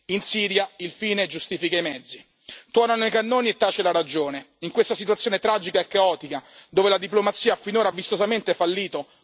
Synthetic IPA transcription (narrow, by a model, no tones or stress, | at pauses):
insiːɾjailfiːned͡ʒust̪iːfikaimɛd̪zːi | t̪wɔːnanoijkanːoːniet̪ːaːt͡ʃelaɾad͡ʒoːneiŋkwest̪asit̪̬uat̪sːjoːnet̪ɾaːd͡ʒikaekːaɔːt̪ikad̪oːvelad̪iplomat̪sːiːaafːinoːɾavːist̪ozament̪efalːiːt̪o